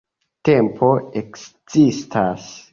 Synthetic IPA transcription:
tempʰoeks | z̥istʰas

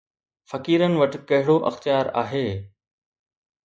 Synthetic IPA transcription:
fɐkiːɾənɪ̆ʋɐʈɪ̆kɐɦɪɽoʔɐ̰xt̪ijaːɾa̰ːɦeː

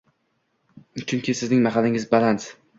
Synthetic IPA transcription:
t͡ʃʰʊŋkʲɪsɪznɪŋmaχalɪŋɪzbalans

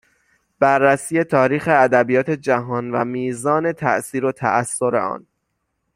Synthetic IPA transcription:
b̥ærːæsiːje̞t̪ʰɒːɾiːxe̞æd̪æbijɒːt̪ʰe̞d͡ʒæɦɒːnvæmiːzɒːne̞t̪ʰæ̰ʔsiːɾot̪ʰæ̰ʔæsːo̞ɾḛɒ̰ːn

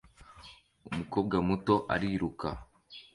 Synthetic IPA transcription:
umuko̞ːb̚ɡamuto̞ʔa̰ɾiɾuka̰

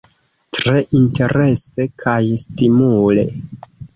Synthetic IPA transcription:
tɾe̞ʔinte̞ɾe̞se̞kʰajstimule̞̰

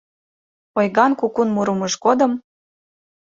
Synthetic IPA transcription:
ojɣɑnkukunmuɾuməʃkod̪ɤ̆m

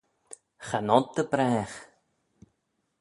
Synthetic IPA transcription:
xanɔt̪ːəbɾɛːx

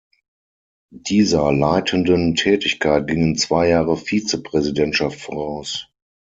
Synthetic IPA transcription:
d̥iːzɐlaɪtʰəndəntʰɛːtɪçkʰaɪt̚ɡ̥ɪŋənt͡sv̥aɪjaːʁəfiːt͡səpʁ̥ɛzidɛntʃaftfɔʁaʊs

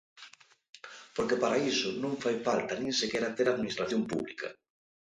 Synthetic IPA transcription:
poɾkepaɾaisʊnõŋfajfalt̪ɐnĩŋsekeɾat̪eɾaðminist̪ɾaθjompṵβlḭkʰɐ̰

